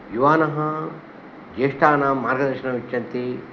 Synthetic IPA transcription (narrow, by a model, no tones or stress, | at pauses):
juʋaːnɐɦɐ | d͡ʒeːʂʈaːnɐmaːɾɡɐd̪ɐɾʂɐnɐʋit͡ʃːɐnt̪i